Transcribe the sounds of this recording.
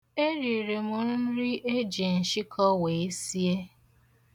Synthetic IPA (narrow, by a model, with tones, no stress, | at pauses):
e˦ɾi˨ɾe˨mʊ˨nʊ˦n̩˦ɾi˦ʔe˦d͡ʒe˨n̩˨ʃi˦kʰɔ˦we˨e˦si˦e˦